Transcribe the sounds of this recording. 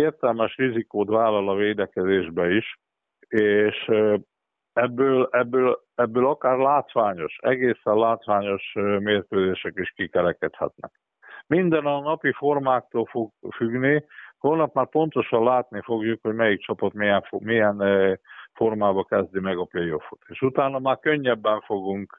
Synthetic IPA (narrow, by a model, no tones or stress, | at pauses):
eːrt̪ɛlmɛʃrizikoːt̪ʋaːlːɒlɒveːd̪ɛkɛzeːʒbɛiʃ | eːʃ | ɛbːøːlɛbːøːl | ɛbːøːlɒkaːrlaːt̪ʋaːɲo̞ʃɛ̰ɡeːsɛllaːt̪ʋaːɲo̞ʃmeːrkøːzeːʃɛkiʃkikɛɾɛkɛt̪hɛ̰t̪nɛ̰k | mind̪ɛnɒnɒpifo̞rmaːk̚t̪oːlfoɡ̚fyɡniholnɒpmaːrpo̞nt̪o̞ʃɒnlaːt̪nifo̞ɡjukho̞ɟmɛjik̚t͡ʃɒpɒt̪miɛɱfmijɛn | fo̞rmaːbɒkɛzd̪imɛɡɒplejo̞fu̥t̪eːʃut̪aːnɒmaːrkøɲːɛbːɛɱfo̞ɡuŋk